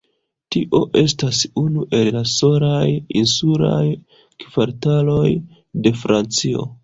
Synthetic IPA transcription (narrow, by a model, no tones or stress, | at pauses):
tiʔo̞ʔe̞stasunuʔe̞lːaso̞lajinsula̰j | kv̥aɾtalo̞j | de̞fɾant͡sio̞̰